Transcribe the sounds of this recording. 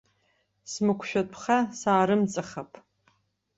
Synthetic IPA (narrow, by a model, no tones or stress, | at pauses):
smɨkʷʰʃᶣatʰχasaːɾɨmt͡sʼaχapʼʰ